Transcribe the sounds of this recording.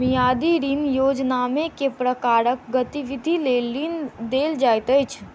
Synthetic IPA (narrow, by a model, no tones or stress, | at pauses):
mijad̪iɾinjod͡ʒnamekepɾəkaɾək̚ɡət̪iʋid̪ʱilelːind̪eld͡ʒajt̪əjt͡ʃʰ